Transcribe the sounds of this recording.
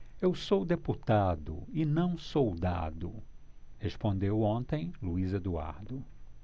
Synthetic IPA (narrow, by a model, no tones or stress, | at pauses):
ewsowd̪eput̪ad̪ʊ̰ɪnɐ̃w̃sowd̪a̰d̪ʊ | hespõnd̪ewõnt̪ẽj̃luized̪ua̰ɾd̪ʊ